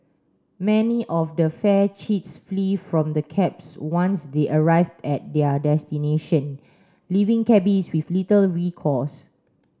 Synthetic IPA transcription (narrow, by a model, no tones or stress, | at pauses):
mɛniʔɔfdəfɛt͡ʃitsflifɹɔ̃mdəkʰɛpswãnsdeʔəɹaɪvdɛt̚dɛədɛstineʃə̃n | livĩŋkɛbiswiflitəlɹikʰɔs